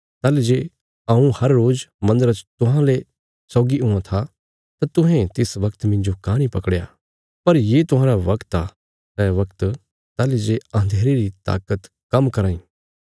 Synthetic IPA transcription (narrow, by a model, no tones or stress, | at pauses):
t̪aːled͡ʒe | ãũhɐɾːoːd͡ʒmɐ̃nd̪əɾət͡ʃt̪ʊɦãle | sɔːɡiʊ̃ãt̪ʰa | t̪at̪ʊ̃ɦɛ̃t̪ɪsʋɐkt̪mɪ̃nd͡ʒokaːɽ̃ipɐkɽja̰ | pɐɾjeːt̪ʊ̃ɦãːɾaʋɐkt̪a | nɛ̃ʋɐkt̪ | t̪aːled͡ʒeãːnd̪ʱeːɾeɾit̪a̰ːkət̪ | kɐmkɐɾaːĩː